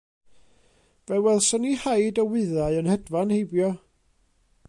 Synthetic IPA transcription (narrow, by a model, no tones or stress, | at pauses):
v̥ɛwɛlˠsɔnihajdɔwɪðaɨɔnhɛdvanhejbjɔ